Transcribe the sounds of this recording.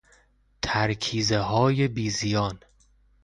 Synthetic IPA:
t̪ʰæɾkʰiːzeɦɒːje̞biːzijɒːn

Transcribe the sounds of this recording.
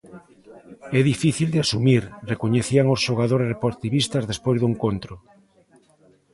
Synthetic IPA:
ɛðifiθild̪ɪasumiɾrekoɲeθiaŋosʃoɣaðoɾerepoɾt̪iβist̪azðespojzðoeŋkont̪ɾʊ

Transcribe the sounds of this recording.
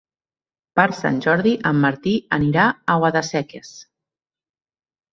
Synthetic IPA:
paɾsa̰nʲʒɔɾðiʔəmːəɾt̪iəniɾaawaðasɛkes

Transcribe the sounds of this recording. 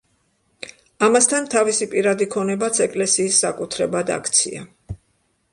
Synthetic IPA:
amast̪ʰant̪ʰavisipʼiɾad̪ikʰɔnɛbat̪sʰɛkʼlɛsiːsːakʼut̪ʰɾɛbad̪a̰kʰt̪sʰḭa̰

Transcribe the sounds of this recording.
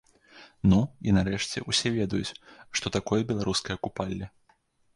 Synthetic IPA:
nuinaɾɛʂt͡sʲɛ̰ʔusʲɛvʲɛd̪ɐjut͡sʲʂt̪ɔt̪akɔjɐbʲɛlˠaɾuskɐjɐkupalʲːɐ

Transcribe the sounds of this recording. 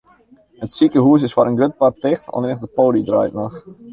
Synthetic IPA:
hətsikəɦuəs̬ɪsfɔɾənɡøt̚partɪxtɔ̰nɪnəxdəpoːlidra̰jtnɔx

